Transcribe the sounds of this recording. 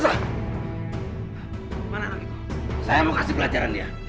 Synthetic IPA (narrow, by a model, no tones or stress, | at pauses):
sa | mananakit̪u̥sajamokasɪpəlad͡ʒaɾandia